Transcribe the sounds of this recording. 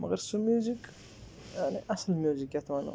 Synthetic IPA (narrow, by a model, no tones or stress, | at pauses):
məɣeɾsumjuzik | jaʕniʔaslmjuzikjat̪wana̰